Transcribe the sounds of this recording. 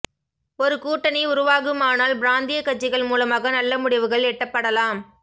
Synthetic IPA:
ɔɾɯkuːʈːɐnɐɪʊɾʊʋaːɣɯmaːnaːlbɾaːnd̪ijɐkːɐt͡ʃːɪɣɐɭmuːlɐmaːɣɐnɐlːɐmʊɽɪʋɯɣɐɭɛʈːɐpːɐɽɐlaːm

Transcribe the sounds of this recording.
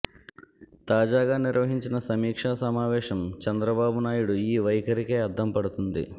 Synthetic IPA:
t̪aːd͡ʒaːɡaːniɾʋɐɦiɲt͡ʃinɐsɐmiːkʂaːsɐmaːʋɛːʃɐmt͡ʃɛnd̪ɾɐbaːbunaːjuɽuiːʋɐjkɐɾikeːɐd̪ʱːɐmpɐɽut̪und̪ḭ

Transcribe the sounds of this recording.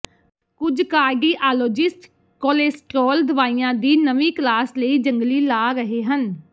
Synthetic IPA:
kʊd͡ʒkaːɾɖiːʔaːloːd͡ʒɪsʈ | kɔːleːsʈɾɔːld̪əʋaːiːãːd̪iːnəʋĩːklaːsləiːd͡ʒəŋɡliːlaːɾəɦeːɦən

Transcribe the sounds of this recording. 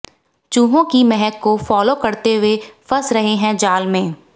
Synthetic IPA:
t͡ʃuːɦõkimɛɦɛkkːofɔːlokɐɾt̪eɦʊefɐsɾɐɦeɦɛ̃d͡ʒaːlmẽː

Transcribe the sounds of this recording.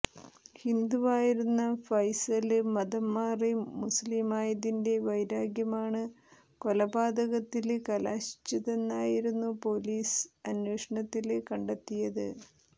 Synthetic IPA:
hind̪uʋaːjiɾunːɐfɐjsɐlɨmɐðɐmːaːrimusliːmaːjɐðinde̞ʋɐjɾaːɡjɐmaːɳɨ | ko̞lɐbaːd̪ɐɣɐt̪ːilkɐlaːɕi̥t͡ɕːɐðe̞nːaːjiɾunːupo̞ːliːsɐnweːʂɐɳɐt̪ːilkɐɳɖet̪ːijɐðɨ

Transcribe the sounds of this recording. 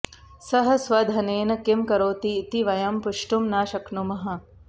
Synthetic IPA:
sɐɦɐ̆sʋɐd̪ʱɐneːnɐkimkɐɾoːt̪iːt̪iʋɐjɐmpuʂʈumnaːʃɐknumɐɦɐ̆

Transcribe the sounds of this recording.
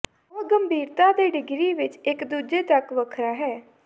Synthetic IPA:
ɔːɡəmbʱiːɾt̪ãːd̪eːɖɪɡɾiːʋɪt͡ʃɪkd̪uːd͡ʒeːt̪əkʋəkʰɾaːɦɛː

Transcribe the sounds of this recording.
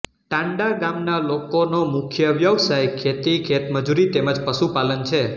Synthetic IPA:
ʈãɳɖaɡamnalokonomʊkʰjəʋjəʋsajkʰet̪ikʰet̪məd͡ʒuɾit̪eməd͡ʒpəʃupalənt͡ʃʰe

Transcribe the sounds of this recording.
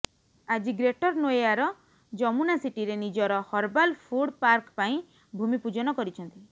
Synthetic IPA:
ad͡ʒiɡɾeʈɔɾnojaɾɔ | d͡ʒɔmunasiʈiɾenid͡ʒɔɾɔhɔɾbalpʰuɽpaɾkpaĩ | bʱumipud͡ʒɔnɔkɔɾit͡ʃʰɔnt̪i

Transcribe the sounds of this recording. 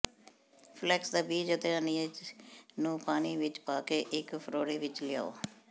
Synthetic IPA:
pʰlɛːksd̪aːbiːd͡ʒʊt̪eːəniːd͡ʒnũːpaːniːʋɪt͡ʃpaːkeːʔɪkpʰəɾoːɽeːʋɪt͡ʃlɪja̰ːo̰ː

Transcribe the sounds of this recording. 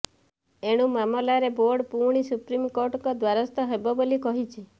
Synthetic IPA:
eɽ̃umamɔlaɾeboɾɖpuɽ̃isupɾimkoɾʈɔŋkɔd̪waɾɔst̪ɔɦebɔbolikɔɦit͡ʃʰi

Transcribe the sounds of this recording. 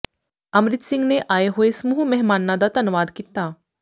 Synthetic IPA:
ɐmɾɪt̪sɪ̃ŋɡneʔaːeɦoesmuːɦumɛɦmaːnːãd̪at̪ɐnʊʋaːd̪kit̪aː

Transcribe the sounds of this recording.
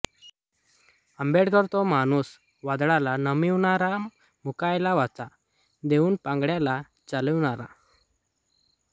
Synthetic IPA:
əmbeʈkəɾt̪ɔmanus | ʋad̪ɽalanəmiʋɳaɾa | mukajlaʋat͡sa | d̪euːnpãŋɡɽjala | t͡saləʋɳaɾa̰

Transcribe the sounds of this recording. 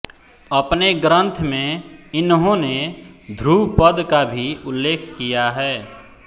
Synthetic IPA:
əpneɡɾə̃nt̪ʰmẽɪnɦõned̪ʱɾupəd̪kabʱiʊlːeːkʰkijaɦɛː

